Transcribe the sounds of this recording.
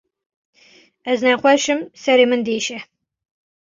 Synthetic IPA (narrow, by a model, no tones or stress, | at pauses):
ɛznæχʷɛʃɨmsɛɾeːmɨnd̪eːʃɛ